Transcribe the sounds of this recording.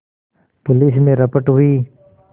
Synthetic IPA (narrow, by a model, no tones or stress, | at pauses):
pʊlismeɾəpəʈɦui